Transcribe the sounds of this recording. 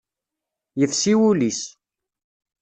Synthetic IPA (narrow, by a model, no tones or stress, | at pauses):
jəθsiwulis